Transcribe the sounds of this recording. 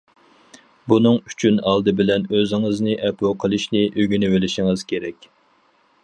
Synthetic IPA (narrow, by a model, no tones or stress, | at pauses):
bunɨŋy̥t͡ʃʰynɑlˠd̪ɨbɪlɛnøzɪŋɨznɨʔɛpʰoqʰəlˠɨʃnɪʔøɡʲynɪwɪlɪʃiŋɨz̥kʲʰeɾɛkʲ